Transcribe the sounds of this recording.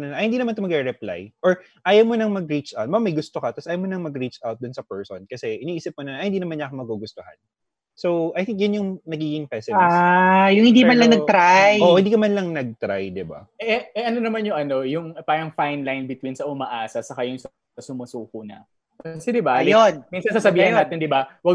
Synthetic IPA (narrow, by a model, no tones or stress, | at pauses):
nɐlɐʔɐjhɪnd̪inɐmant̪ʊmɐɡɛɾɛpla̰jʔoɹ | ʔaːjɐwmonɐŋmɐɡ̚ɾit͡ʃa̰wt̪̚bɐamɐjɡʊst̪okɐt̪ːɐsʔaːjɐwmonɐŋmɐɡɾit͡ʃawt̪̚d̪ʊnsɐpɛɹsonkɐsɛʔɪniːʔiːsɪp̚monɐʔɐjhɪnd̪iːnɐmanɲakoŋmɐɡuɡʊst̪ohɐ̰n | sowʔajθɪ̃ŋk̚jɐnjʊŋnɐɡiːɡɪŋpɛsɪajʊŋhɪnd̪iːmɐnlɐŋnɐɡ̚t̪ɾajoʔhɪnd̪iːkɐmɐnlɐŋnɐɡ̚t̪ɾajd̪ɪba̰ɛɛɛʔɐnonɐmanjʊŋʔɐno̞jʊŋpaːɾɐŋfajnlajnbɪt̪winsɐʔʊmaʔaːsɐsɐkajʊŋs | ɐsʊmɐsuːkʊnɐ̰ | kɐsɛd̪ɪbajonmiːnsɐnsasɐbiːhɐnaːt̪ɪnd̪ɪbawɐɡ